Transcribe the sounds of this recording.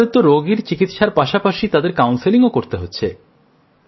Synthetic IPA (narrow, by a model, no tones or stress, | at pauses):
ot̪ːoɾoɡiɾt͡ɕikit̪ʃaɾpaʃapaʃit̪ad̪eɾkawnsiliŋokoɾt̪eɦotːɕʰe